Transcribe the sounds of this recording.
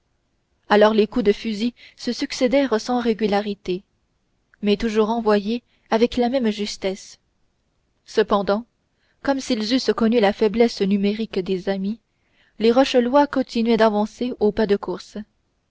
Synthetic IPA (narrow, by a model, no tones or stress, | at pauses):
alɔʁlekud̪əfyzisəsyksed̪ɛʁsɑ̃ʁeɡʲylaʁit̪e | mɛt̪uʒuːʁɑ̃vwaje | avɛklamɛmʒyst̪ɛs | səpɑ̃d̪ɑ̃ | kɔmsilzyskɔnylafɛblɛsnymeʁikd̪ezami | leʁɔʃəlwakɔ̃t̪inɥɛd̪avɑ̃seopad̪əkuʁs